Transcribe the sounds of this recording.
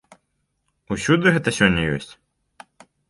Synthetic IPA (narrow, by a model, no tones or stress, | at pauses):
usʲud̪ɨɣɛt̪ɐsʲɔnʲːɐjɔ̰sʲt͡sʲ